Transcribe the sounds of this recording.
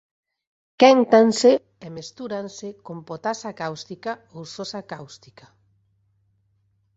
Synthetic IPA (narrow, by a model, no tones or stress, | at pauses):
kɛŋt̪anse | ɛmest̪uɾansekompot̪asakawst̪ikaowsosakawst̪i̥kḁ